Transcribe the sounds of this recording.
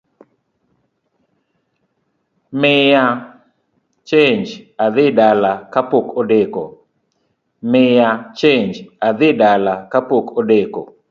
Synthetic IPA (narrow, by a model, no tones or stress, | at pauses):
mɪja | t͡ʃeɲd͡ʒad̪ɪdalakapokodekɔ̰ | mɪjat͡ʃeɲd͡ʒad̪ɪdalakapokodeko̰